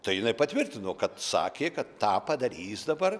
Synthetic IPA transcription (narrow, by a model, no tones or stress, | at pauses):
t̪ɐɪjɪnɐɪpɐt̪ʲʋʲɪrʲt̪ʲɪnoːkɐt̪sɑ̰ːkʲeːkɐt̪tɑːpɐd̪ɐɾʲiːsd̪ɐbɐr